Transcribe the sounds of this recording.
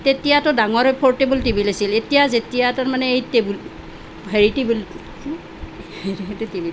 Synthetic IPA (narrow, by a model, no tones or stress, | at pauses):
tetijatʊdaŋɔɹepʰɔɹtebultebilasiletijazetijataɹmanɛejtebul | bʱeɹitebul | etɛtɛtibil